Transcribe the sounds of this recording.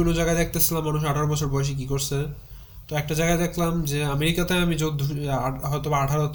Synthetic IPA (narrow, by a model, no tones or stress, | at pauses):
onod͡ʑaɡad̪ɛk̚ʰt̪et͡ɕʰilamːanuʃ̬aʈʰaɾobɔt͡ɕʰoɾbɔeʃ̬ek̬ikoɾt͡ɕʰe | t̪oɛk̚ʈad͡ʑajɡad̪ekʰlamd͡ʑeameɾikat̪eamid͡ʑod̪ʱːuɦɔet̪obaaʈʰaɾot̪